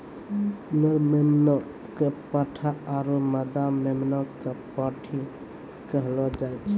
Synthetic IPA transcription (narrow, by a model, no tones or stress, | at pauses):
nəɾmemna | kepəʈʰaːɾuməd̪amemnakepaʈʰi | kəɦlɔd͡ʒajt͡ʃʰ